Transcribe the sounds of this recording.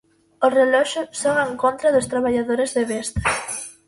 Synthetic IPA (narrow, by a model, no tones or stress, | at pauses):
ʊsrelɔʃʊsoŋaeŋkont̪ɾaðʊst̪ɾaβ̞aʎaðoɾezðeβest̪ḁ